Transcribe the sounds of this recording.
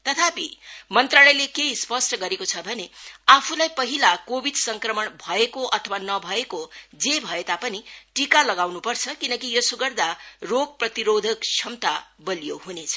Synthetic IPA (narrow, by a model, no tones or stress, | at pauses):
t̪ʌt̪ʰapimʌnt̪ralʌjlekejspʌsʈʌɡʌɾekot͡sʰʌbʱʌneapʰulajpʌɦilakobʱid̪sʌŋkrʌmʌɳbʱʌekoʔʌt̪ʰʌwanʌbʱʌekod͡zebʱʌet̪apʌniʈikalʌɡawnupʌrt͡sʰʌkinʌkijosuɡʌrd̪aroɡ̚prʌt̪iɾod̪ʱʌkt͡sʰʌmt̪abʌljoɦunet͡sʰʌ̥